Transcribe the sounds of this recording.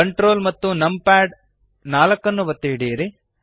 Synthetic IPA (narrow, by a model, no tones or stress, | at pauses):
ɐɳʈɾoːlmɐt̪ːunɐmpaːɖ | naːlɐkːɐnːuʋɐt̪ːiɽiɾi